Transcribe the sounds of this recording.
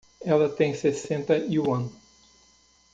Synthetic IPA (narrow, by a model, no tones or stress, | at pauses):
ɛlɐt̪ẽj̃sesẽnt̪ɐiũɐ̃n